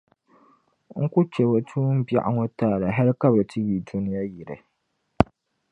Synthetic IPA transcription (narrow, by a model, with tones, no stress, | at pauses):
ŋ̩˦ku˦t͡ʃɛ˨bo˨tʰuː˦m̩˦bja̰˦ʔa˦ŋo˦taː˦˨la˨ɦa˦lka˦ba˨tʰi˦biː˨du˦nɪ˦ja˦ji˨ɾɨ˨